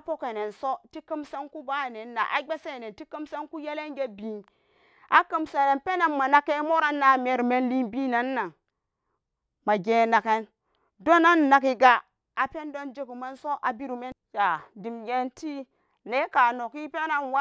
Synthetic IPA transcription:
a˦po˦ke˨ne˨nso˦ti˦ki˦mse˦nku˦ba˦˨ne˨nːa̰˨ʔa̰˨ɡ͡be˦se˦˨ne˨nti˦ki˦mse˦nku˦je˦le˦nɡe˦bi˨˦n | ʔa˦kə˦mse˨ne˨npe˦na˦nmːa˨na˦ke˦mo˦ɾa˦nːa˨me˨ɾme˦nli˦nbi˦na˨nːa˨ŋ | ma˨ɡe˨˦na˨ke˦n | do˦na˦nː˨a˨ki˦ɡa˦ | a˨pe˦n˦do˦nd͡ʒe˦ku˨me˦nso˦ʔa˨bi˦ɾu˨me˦nja˨di˨mɡe˦nti˦ | ne˨˦ka˨no˨ki˦pe˦na˦nwa˦

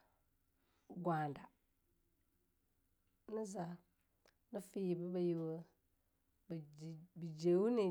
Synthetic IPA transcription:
ɡwa˨nda˨ | ni˦za˨ | nə˦fi˦ji˨bi˦ba˨ji˨wə˦ | bbi˨d͡ʒe˨wu˦ne˨

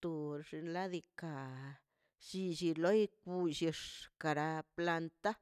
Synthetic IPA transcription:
t̪u˧ɾʐi˧nla˦d̪i˧ka˨ | ʃi˧ʃi˧lo˦i˦k̚u˧ʃi˧ʂka˨ɾa˧pla˧nt̪a˦

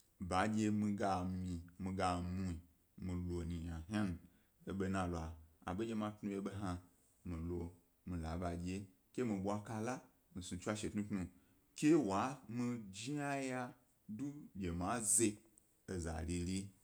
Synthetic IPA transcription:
ba˨˦d͡ʒʲe˧mĩ˧ɡa˧mmĩ˧mĩ˧ɡa˧mũ˧˦i˨ | mĩ˨lo˨nĩ˨ɲã˨ɦa˦n˨ | e˨ɓe˧nã˧la˨a̰˨be˦d͡ʒʲe˧mã˧tnũ˧je˧˦ɓe˧ɦa˧ | mĩ˨lo˧ | mĩ˨la˨ba˨d͡ʒʲe˧ | kʲe˦mĩ˧ɓʷa˧ka˧la˦ | mĩ˨sũ˧t͡ʃʷa˧ʃe˨tnũ˦tnũ˧ | kʲe˦wa˨˦mĩ˧d͡ʒi˦a˦ja˧ | du˦ɡʲe˨ma˨˦ze˧ | e˨za̰˨li˧li˦

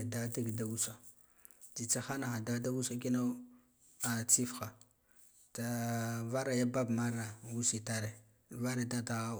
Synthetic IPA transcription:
da˦da˦ɡda˨u˦sa˨ | ti˨t͡sa˦xa˦na˨xa˨da˦da˦wu˦sa˦ki˦no˦ | a˨t͡si˦fxa˨ | ta˨va˦ɾa˨ja˦ba˦bma˦ɾna˨wu˦si˨ta˦ɾe˨ | va˦ɾa˦da˦ta˦ɣa˦

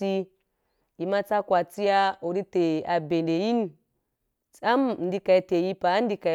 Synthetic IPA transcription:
i˦ | i˨ma˦t͡sa˦kwa˨t͡si˦ja˦o˨ɾi˦te˨a˨be˨nde˨ji˦n˦˨ | t͡sa˦m˨n̩˦di˦ka˨i˨te˨ji˦pa˨˦n̩˦di˦ka˨˦

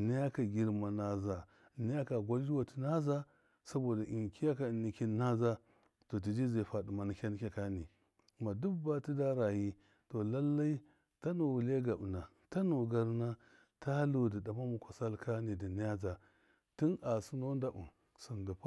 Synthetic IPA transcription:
ni˦ja˦ka˨ɡʲi˨˦ɾma˨na˨za˨ | ni˦ja˦ka˨ɡʷa˦ld͡ʒi˦wa˨ti˨na˦za˦ | sa˦bo˨da˨ʔi˨ŋki˦ja˦ka˨ni˨ki˦n˦na˦za˦ | to˨t̬i˨d͡ʒi˦ze˨fa˨di˨ma˨ni˨kʲa˦n˦kʲa˨ka˦ni˨ | ma˨du˦ba˦ti˦da˦ɾa˨ji˦ | to˨la˦lːa˦i˦ | ta˦no˨wu˨le˦ɡa˨bna˨ | ta˦no˨ɡa˦ɾna˦ | ta˦lo˨di˨da˨ma˦mu˨kʷa˨sa˦lka˦ni˨di˨ni˦a˦d͡za˨ | ti˦na˨su˦no˦nda˨bṵ˨m | su˨nda˨p

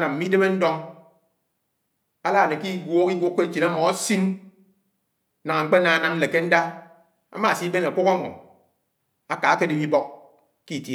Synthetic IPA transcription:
na˨m̩˨mi˦de˦me˦n̩˦dɔ˦ŋ | a˦la˦˨ne˨ki˦ɡʷo˦ki˦ɡʷo˦kːe˦t͡ʃi˨na˦mɔ˨a˦si˦n˦ | na˨ŋa˨ŋ͡m̩˨˦k͡pe˦na˨a˦na˦mn̩˦le˨ke˦n̩˦da˦ | a̰˦ma˦˨si˦be˦na˨kʷu˦ka˦ŋɔ̰˨ | a˦ka˨a˦ke˦di˦mi˦bɔ˦k̚ | ki˦˨tje˦˨˦

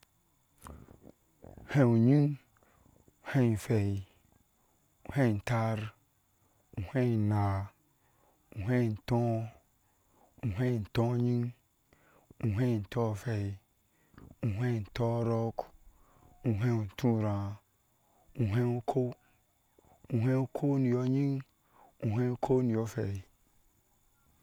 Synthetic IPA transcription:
hẽ˦ũ˨ɲĩ˦ŋ | u˨hɛ̃˦˨fɛ˨ji˨ | u˨hɛ̃˦˨n̩˨ta˦ɾ | ũ˨hɛ̃˦˨na˨ | u˨ɦɛ˦˨n̩˨tɔ̃˦ | u˨ɦɛ˦˨n̩˨tɔ̃˦ɲĩ˦ŋ | u˨ɦɛ̃˦˨n̩˨tɔ˦˨fɛ˨i˨ | ũ˨ɦe˦˨n̩˨tɔ˦ɾɔ˦k | u˨ɦẽ˦˨n˨tũ˦˨ɾã˨ | u˨ɦẽ˦ŋo˦kʰo˦ | u˨ɦe˦o˦kʰo˦ni˨jɔ˦ɲĩ˦ŋ | u˨ɦẽ˦kʰo˦ni˨ɔ˨˦fɛ˨i˨

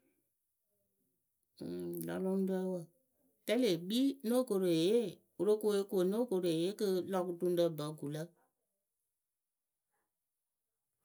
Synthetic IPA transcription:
la̰˨lɔ̃˦ŋ˦dɛ˦wə˨ | tɛ˦le˨ɡ͡bi˦no˦˨ko˨ɾo˨e˨je˦ | o˨ɾo˦ko˧˦e˦ko˨no˦ko˨ɾo˨e˨je˦kɨ˦lɔ˧ku˦tũ˧n˦də˧bə˨˦ɡu˨lə˦

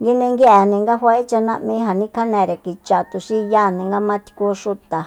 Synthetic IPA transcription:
ɡi˦nĩ˧ŋɡe˦ʔe˨nĩ˧ŋɡa˦ɦʷwa˧˦e˦t͡ʃa˧nã˧ʔmĩ˦˧˦ɦa˨nĩ˦ka˦nẽ˨ɾe˨ki˧t͡ʃa˨t̪u˧ʃi˦˧ja˦˨nĩ˧ŋɡa˦mã˦t̪i̥˧ku˧ʂu˧t̪a˨

